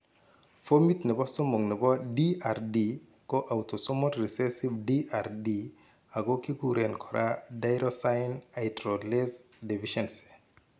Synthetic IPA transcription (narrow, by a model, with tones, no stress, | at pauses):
fo˦mi˦t̪nɛ˨bɔ˦so˦mo˨ŋnɛ˨bɔ˦di˦a˨rdi˨ | ko˦ʔawto˨so˦mɔ˦tri˨sɛ˦si˦bdi˦ʔa˨ɾdi˦ | a˨ɡo˦ki˦ku˦ɾe˨nkʰɔ˨ɾʔa̰dajɾɔsajnajtɾɔ˨le˦z | de˨viʃɛnse̥˨